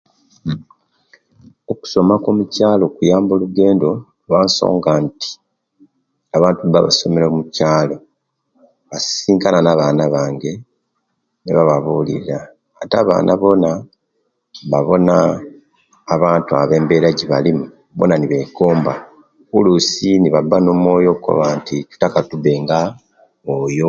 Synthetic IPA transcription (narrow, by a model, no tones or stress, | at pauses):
oku̥so̞makomucaːlo̞kujaːmbo̞luɡe̞ːndo̞ | βaːnso̞̰ːŋɡanti̥ | aβaːntuβa̰βa̰so̞me̞ɾomucaːlo̞ | βasiːŋkananaβaːnaβaːŋɡe̞ | niβaβaβulḭɾaː | taːβa̰ːnʔaβo̞na | βaβo̞naː | βaːntua̰βe̞ːmbeːɾaɟiβalimu | bo̞̰naniβe̞ːkoːmba | kulusiniβabːanomo̞ːjo̞kuko̞̰βaːnticu̥takatuβe̞ŋɡa | ojo̞